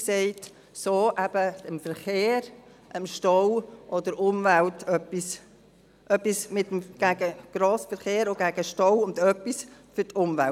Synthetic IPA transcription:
sɛɪt | soːʔæb̥əəmfəɾχeːɾ | ʔəmʃtɔwʔɔd̪əɾʊmvæltʰœpːis | ʔœpːismɪtəmɡ̥æɡəɡ̥ɾoːsfəɾχeːɾoɡæɡəʃtɔwʊndœpːisfʏɾtʊmvæl

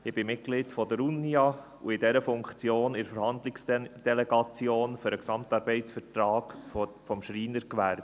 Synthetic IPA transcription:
ɪb̥ɪmɪt̚ɡ̥lɪtfɔdəɾunːiɑ | ṵɪdɛɾəfʊŋkt͡sjoːnɪɾfəɾhɑnd̪lɪksd̥ɛlɛɡɑt͡sjoːnføɾəksɑmtɑɾbɛɪtsfərtɾɑːɡ̥fɔmʃriːnəɾkʋæɾb̥

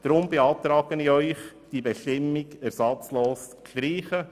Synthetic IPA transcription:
d̥ɾʊmbeɑːt̪ɾɑːɡəniœʏχ | d̥iːbɛʃtɪmːɪɡɛɾsɑt͡sloːskɾɾiːχə

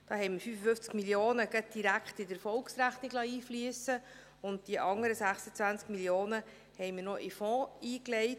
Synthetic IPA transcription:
d̥ɑːhɛɪmɪfyːfəfʏft͡skmiljoːnəɡəd̥iɾækχtɪdəɾfɔlksɾæχniɡlɑiːflyəsə | ʊnt̚d̥iəʔɑŋəɾəsæχsət͡sʋænt͡skmiljoːnə | hɛjmənɔʔɪfɔ̃ːiːklɛɪt

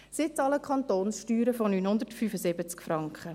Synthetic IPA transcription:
sɪt͡sɑːləkʰχɑntoːnsʃtyːɾəfɔnyːnhʊnd̪ərtfyfəzɪbət͡skfɾɑŋkχə

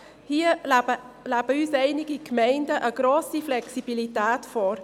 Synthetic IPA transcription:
hiəə | læb̥əyːsɛɪnɪɡikmɛɪndəʔəɡ̥ɾoːsiflɛksib̥ilitɛːtfɔːɾ

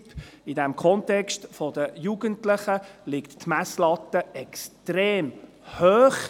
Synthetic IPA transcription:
pidɛmkʰɔntɛkstfodəjuɡ̥əntlɪχəlɪkt̪tmæslɑt̪ːəɛkstɾeːm | høːχ

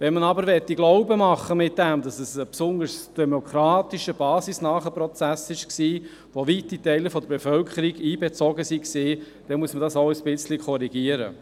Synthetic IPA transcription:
ʋɛnmənɑbəɾʋɛt̪ːiɡlɔʊbəmɑχːəmɪt̚d̥ɛmdɑsəsəpsʊnd̪əɾsd̥ɛmɔkɾɑːtiʃəb̥ɑːsisnɑːχəpɾɔt͡sæsɪʃksiː | ʋovitːitɛɪləfɔd̪əɾbefœlkʰəɾiɡiːbet͡sɔɡəsiksiː | d̥ɛnmuəsmədɑsoʊəsb̥ɪt͡slikʰɔɾiɡ̥iəɾə̰

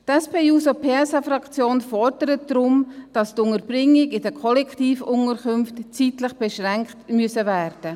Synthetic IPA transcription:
tɛspʰeːuːsopʰeːɛsɑfrɑkt͡sjoːnfɔɾd̥əɾətdɾʊmd̥ɑstʊŋəɾb̥rɪŋːɪɡɪdəkʰɔlɛktiːfʊŋəɾkʰʏmftt͡sitləχb̥ɛʃʁɛŋktmyəsəvæːrd̥ə

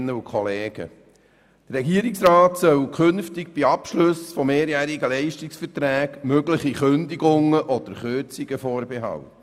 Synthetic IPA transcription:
nːəukʰχɔleːɡ̥ə̰ | d̥rːɛɡiəɾɪksɾɑːt̪sœwkʰɵnftɪɡ̚b̥iɑpʃlʊsfɔmːeːɾjæːɾiɡəlɛɪʃtɪksfətɾæːɡmøɡləχiχønd̪iɡʊŋəʔɔd̥̪əɾχøt͡siɡ̥əfɔːɾbɛɦɑ̰lə

